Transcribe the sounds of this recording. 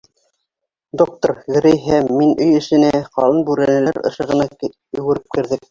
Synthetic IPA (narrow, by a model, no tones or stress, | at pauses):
d̪ok̚t̪oɾɣɘ̆ɾɘjɦæmːinɵjɘ̆ʃɘ̆næqɑlˠɤnbʉɾænɘ̆læɾɤ̰̆ʃɤ̆ʁɤ̆nɑ | ɵ̆wɘ̆ɾɘp̚kɘ̆ɾðɘk